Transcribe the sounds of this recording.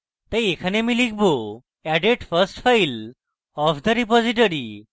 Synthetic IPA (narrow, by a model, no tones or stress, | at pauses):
t̪əjekʰanemilikʰbo | ɛɖeʈfʰəsʈfʰajl | ɔpʰd̪əɾipɔziʈ̬oɾi